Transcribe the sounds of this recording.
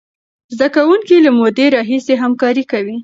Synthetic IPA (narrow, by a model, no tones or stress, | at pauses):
zd̪akawuŋkilamod̪eɾɑɦiseɦamkɑɾikawi